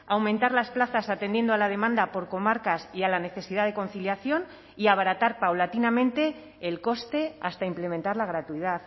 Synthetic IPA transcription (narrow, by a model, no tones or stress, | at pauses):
awmẽnt̪aɾlasplaθasat̪e̞nd̪jend̪oalað̞e̞mãnd̪apo̞ɾko̞maɾkasialane̞θe̞siðað̞e̞ko̞n̟θiljaθjo̞n | iaβaɾat̪aɾpawlat̪inamẽ̞nt̪e̞ː | lko̞st̪e̞a̰st̪aimple̞mẽ̞nt̪aɾlaɣ̞ɾat̪uiðaθ